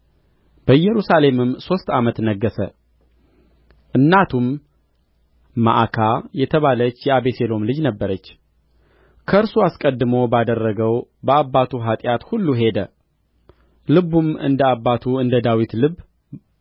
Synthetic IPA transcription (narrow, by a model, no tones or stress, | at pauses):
b̥əjɛɾusale̞mɨmso̞st̪amət̪nəɡːəsə̰ | ʔɨnːat̪ʰum | a̰ʔkʰajɛt̪ʰəβalət͡ʃːjɛaβese̞lo̞mlɨd͡ʒnəbːəɾət͡ʃː | kʰəɨɾsuaskʼəd̪ːɨmowbad̪ərːəɡəwbəabːat̪ʰuɦat̪ʼjat̪hulːuɦe̞d̪ə | lɨβumɨ̰nd̪əabːat̪ʰuɨnd̪əd̪awit̪lɨβ